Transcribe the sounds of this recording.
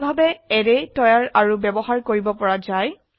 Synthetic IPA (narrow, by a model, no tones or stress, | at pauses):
bʱabɛɛɹɛtɔjaɹaɹubɛbɔɦaɹkoɹibɔpɔɹazaj